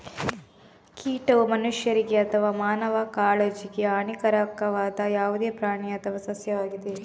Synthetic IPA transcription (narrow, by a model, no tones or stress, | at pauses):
kiːʈɐʋumɐnuʂjɐɾiɡeɐt̪ʰɐʋaːmaːnɐʋɐkaːɭed͡ʒiɡeaɳikɐɾɐkɐʋaːd̪ɐjaːʋud̪eːpɾaːɳiɐt̪ʰɐʋɐsɐsjɐʋaːɡid̪e